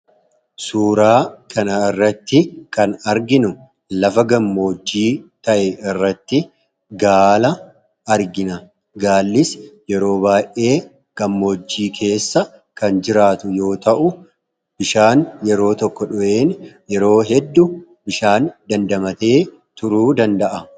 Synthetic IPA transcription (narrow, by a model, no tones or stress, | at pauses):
suːɾaːkʰɐnɐɪrːɐt̪ːɪkɐnɐɾɡɪnʊ | lɐfɐɡɐmːo̞ːd͡ʒːiːt̪ɐʔɛɪrːɐt̪ːɪ | ɡaːlɐ | ɐɾɡɪnɐ | ɡaːlːɪsjɛɾo̞ːbaːjʔe̞ː | ɡ̥ɐmːo̞ːd͡ʒːiːkʰe̞ːsːɐ | kɐnd͡ʒɪɾaːt̪ʊjo̞ːt̪ɐʔʊ | b̥ɪʃaːnjɛɾo̞ːt̪ɔkːɔᶑʊʔe̞ːn | jɛɾo̞ːɦɛd̪ːʊ | bɪʃaːnd̪ɐnd̪ɐmɐt̪e̞ː | t̪ʊɾuːd̪ɐnd̪ɐʔɐ